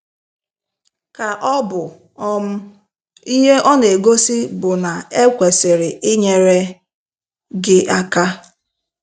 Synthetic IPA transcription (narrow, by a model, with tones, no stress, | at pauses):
ka˨ʔɔ˦bʊ˨ | ɔ˦m̩˦ | i˦ɦe˦ʔɔ˦ne˨ɡo˦si˦bʊ˨na˨e˦kʷe˨se˨ɾɪ˨ɪ˦ɲe˨ɾe˦ | ɡɪ˦ʔa˦ka˦